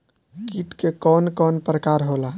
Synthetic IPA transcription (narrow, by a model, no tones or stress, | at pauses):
kiʈkekɔnkɔnpɾəkaɾɦola